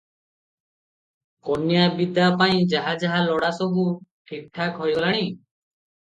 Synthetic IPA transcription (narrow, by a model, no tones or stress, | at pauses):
kɔnjabid̪apaĩd͡ʒaɦad͡ʒaɦalɔɽasɔbʱuʈʰik̚ʈʰːakɦɔjɡɔlaɽ̃i